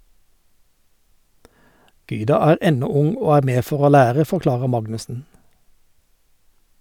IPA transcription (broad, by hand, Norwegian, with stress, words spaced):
ˈɡyːdɑ ˈæːʁ ˈʔɛnɔ ˈʊŋ ˈoː ˈæːʁ ˈmeː ˈfɔʁ ˈoː ˈlæːʁə fɔʁˈklɑːʁə ˈmɑɡnʉsn̩